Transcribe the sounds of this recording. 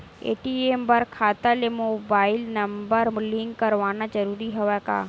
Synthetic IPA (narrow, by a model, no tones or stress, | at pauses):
ḛːʈieːmbɐɾkʰaːt̪alemoːbaːɪlnɐmbəɾliŋɡkɐɾʋaːnad͡ʒəɾuːɾiɦoʋaka̰ː